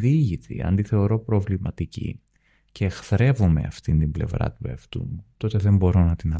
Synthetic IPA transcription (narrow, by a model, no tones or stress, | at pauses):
ðiʝit̪ḭɐ̰nd̪iθe̞o̞ɾo̞pɾo̞vlimɐt̪icḭ | ceːxθɾe̞vomeɐ̰ft̪int̪imble̞̰vɾɐ̰t̪ueft̪ṵmut̪o̞t̪e̞ðe̞mbo̞ɾonɐt̪inɐ